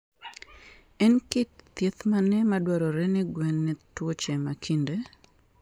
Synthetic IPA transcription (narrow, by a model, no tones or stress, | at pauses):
ɛnkɪt̚t̪jet̪manɛmadwaɾɔɾɛnɛɡwɛnːɛtwɔt͡ʃɛmakʰinde